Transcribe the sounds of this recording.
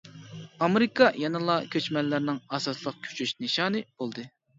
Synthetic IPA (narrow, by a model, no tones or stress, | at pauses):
ɑmeɾɪkʰɑjɑnɨlˠɑkʲʰøt͡ʃmɛlːɪɾnɪŋɑsɑslˠəq̚kʲʰy̥t͡ʃʰyʃnɨʃɑːnɨb̥olˠd̪ɨ